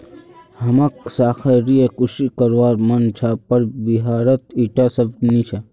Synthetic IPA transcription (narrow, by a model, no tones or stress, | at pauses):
hɐmaksaːkʰaɾijekuʃikɐɾʋaːɾmɐnt͡ʃʰapɐɾbiɦaːɾət̪iʈasɐb̚nit͡ʃʰa